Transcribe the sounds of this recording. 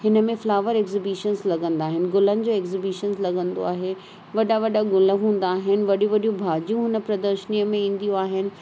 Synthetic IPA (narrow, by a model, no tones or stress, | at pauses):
ɦɪnə̆mẽflaːʋəɾekzɪbiʃənzlɐɡə̃nd̪aːɦɪnɪ̆ɡʊlənɪ̆d͡ʑoːeːkzɪbiʃənzlɐɡə̃nd̪o̰a̰ːɦe | ʋɐɗaʋɐɗaɡʊlə̆ɦũːn̆d̪aːɦɪnɪ̆ʋɐɗijũʋɐɗijũbʱaːd͡ʑijũɦʊnə̆pɾɐd̪əɾʃənijəmẽĩːn̆d̪ijũaːɦɪnɪ̆